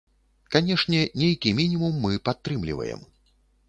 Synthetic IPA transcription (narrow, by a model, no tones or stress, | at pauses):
kanʲɛʂnʲɛnʲejkʲimʲinʲimumːɨpat̪ːɾɨmlʲḭvɐ̰jɛ̰m